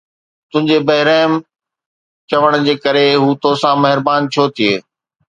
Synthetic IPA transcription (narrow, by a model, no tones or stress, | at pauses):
t̪ʊ̃ɦɪ̃ɲd͡ʑebɐɦɪɾaːm | t͡ɕɐʋəɽ̃ʊ̆d͡ʑeːkɐɾeɦuːt̪osãmɐɦɪɾbaːnt͡ɕʰoːt̪ʰieː